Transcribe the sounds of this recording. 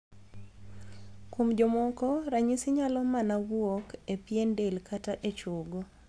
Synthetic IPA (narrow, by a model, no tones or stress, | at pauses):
komd͡ʒomɔkɔɾaɲisɪɲalɔmanawɔkepjendelkataʔet͡ʃoɡo